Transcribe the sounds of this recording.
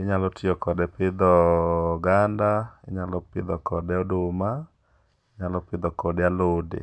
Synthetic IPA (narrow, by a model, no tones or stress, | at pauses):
ɪɲalɔtiɔkɔdɛpɪd̪ɔɡandaɪɲalɔpɪd̪ɔkɔdɛɔdʊma | ɪɲalɔpɪd̪ɔkɔdɛalʊdɪ̰